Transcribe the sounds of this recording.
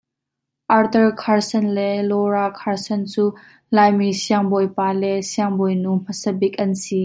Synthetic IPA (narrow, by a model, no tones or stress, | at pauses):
ʔɐrt̪əɹkʰaɹsɛnlɛlɔɹakʰaɹsɐnt͡suː | laːjmisiaŋbɔjpaːlɛsiɐŋbɔjnum̥ɐsɛbɪk̚ʔɐnsi